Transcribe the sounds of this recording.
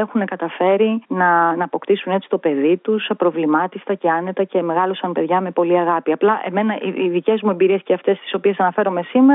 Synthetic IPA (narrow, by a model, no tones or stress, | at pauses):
exune̞kɐt̪ɐfe̞ɾinɐnɐːpo̞kt̪isune̞tt͡si̥t̪o̞pe̞ðit̪uspɾo̞vlimɐt̪ist̪ɐce̞ɐne̞t̪ɐce̞me̞ɣɐlo̞sɐnpe̞ðʝɐme̞po̞liɐɣɐpiɐplɐʔe̞̰me̞nɐʔiiðice̞zmue̞mbiɾie̞sceɐft̪e̞st̪i̥so̞pie̞sɐnɐfe̞ɾo̞me̞simeɾ